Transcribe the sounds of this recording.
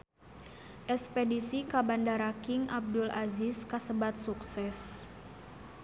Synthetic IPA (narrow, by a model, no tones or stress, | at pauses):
ʔɛspedisikabandaɾakɪŋʔa̰b̚dʊlaziskasəbat̪̚suksɛs